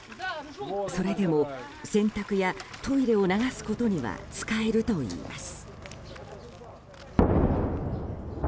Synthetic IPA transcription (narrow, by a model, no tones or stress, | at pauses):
so̞ɾe̞d̪e̞mo̞ | sẽ̞nt̪akɯ̟jat̪ʰo̞iɾe̞o̞naɡasɨ̥ko̞t̪o̞ɲ̟iβa̰t͡sɨ̥kae̞ɾɯ̟t̪o̞ḭːma̰sɨ̥